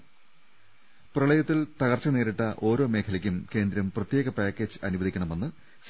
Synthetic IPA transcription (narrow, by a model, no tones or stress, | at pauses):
prɐɭɐjɐt̪ːilt̪ɐɣɐrt͡ɕːɐneːɾiʈːɐʔo̞ːɾo̞ːme̞ːkʰɐlɐkʲːumke̞ːnd̪ɾɐmprɐt̪jeːɣɐpaːkʲːe̞ːd͡ʑɨɐnubɐðʱikʲːɐɳɐme̞nːɨ | s